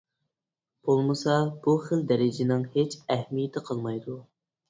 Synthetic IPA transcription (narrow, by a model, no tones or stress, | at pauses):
b̥olˠmɨsɑb̥uχəld̪ɛɾɪd͡ʒɪnɪŋhet͡ʃɛhmijɪt̪ʰɪqʰəlˠmɑjd̪u